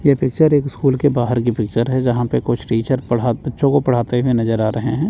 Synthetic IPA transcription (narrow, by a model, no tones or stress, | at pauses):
jɛpɪk̚t͡ʃəɾeːkɪskuːlkebaːɦəɾk̬ipɪk̚t͡ʃəɾɦɛd͡ʒɐɦãpekʊt͡ʃʰʈiːt͡ʃəɾpɐɽ̤aːbɐtːʃõkopɐɽ̤aːt̪eɦʊenɐzəɾaːɾʔɐɦeɦɛ̃ː